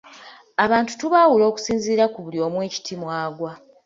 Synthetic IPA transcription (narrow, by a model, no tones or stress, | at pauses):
aβaːntu̥tuβaːwulo̞ːku̥siːnziːɾakuβuljo̞ːmwe̞ːci̥tʰimwaːɡwa